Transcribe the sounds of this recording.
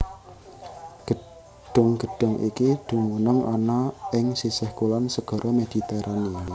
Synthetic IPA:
ɡ̥ə̤ | ɖ̥ʊ̤ŋɡ̥ə̤ɖ̥ʊ̤ŋʔḭkid̪̥ṳmunəŋɔnaʔɪŋsisɛhkulansəɡ̥ɔ̤ɾʔɔmed̪̥i̤t̪eɾʔania

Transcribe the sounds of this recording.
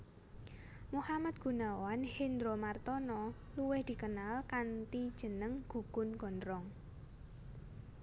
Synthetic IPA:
muhamat̪̚ɡ̥ṳnawanhind̪ɾomart̪ɔnɔ | luwɪhd̪̥i̤kənalkant̪id̥ʒ̥ə̤nəŋɡ̥ṳɡ̥ʊnɡ̥ɔ̤nɾɔŋ

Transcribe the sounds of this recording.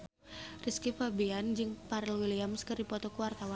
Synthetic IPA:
riskifabiand͡ʒɨŋpaɾɛlwiliamskɨrdipɔt̪ɔkuwart̪awan

